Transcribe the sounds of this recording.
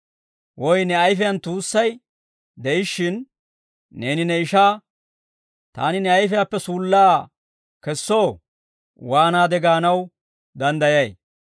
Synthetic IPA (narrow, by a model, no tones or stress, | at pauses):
wɔjnɛɐjfɪjɐnt̪uːsːɐj | d̪ɛjɪʃːɪnː | e̞ːnɪnɛɪʃaː | t̪a̰ːnɪnɛɐjfɪjapːɛsuːlːaː | kɛsːo̞ː | waːnaːd̪ɛɡaːnɐw | d̪ɐnd̪ɐjɐj